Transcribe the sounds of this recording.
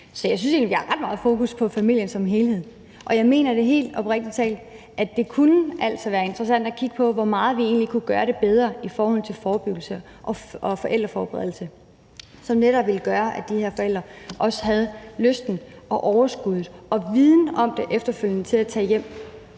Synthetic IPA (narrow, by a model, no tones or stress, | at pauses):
sɒ̽jɑ̈ɪsynse̝̰nliʋihɑ̈ʁɑ̈d̥mɑ̈ːð̞̩ˠfo̝ːkuspʰɒ̽fæmil̰jənsɒ̽mɦe̝ːlhe̝ð̞̰ˠ | ʔɒ̽jɑ̈ɪme̝̰ːnɐd̥e̝ɦe̝̰ːld̥ɒ̽b̥ʁɛɡ̥̚d̥i̥t͡sʰɛ̰ːld̥ | ʔæd̥e̝kʰunəʔæl̰sɒʋæːɐe̝nd̥ʁɐsæn̰d̥ækʰiɡ̥əpʰɒ̽ʋɒmɑ̈ːð̞̩ˠʋie̝̰ːnlikʰuɡ̥ɶːɐɾe̝b̥eð̞ˠʁɐifɒːhɒ̽l̰t͡sʰe̝lfɒːb̥yɡ̥l̩sə | ʔɒ̽ɒ̽fɒ̽ʔeld̥ʁɐfɒ̰ːb̥eʁeðˠl̩sə | sɒ̽mneɾ̥ɒ̽b̥ʋe̝lɡ̥ɶːɐʔæd̥ihe̝ɐfɒel̰d̥ʁɐʔɒ̽sə̥ɦæð̞̩ˠløsd̥n̩ɒ̽ʔɒʊɐsɡ̥uð̞ˠɒ̽ʋiðˠn̩əɒ̽md̥e̝ʔefd̥ɐføl̰jənət͡sʰe̝læt͡sʰɛ̰ːjem̰